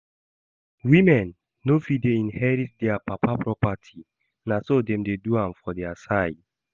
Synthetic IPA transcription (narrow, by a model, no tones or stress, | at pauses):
wĩmɛ̃nː | ofideĩnhɛɹit̚dɛapapapɹɔpatʰi | nasodɛ̃mdeduãmfɔdɛasaɪd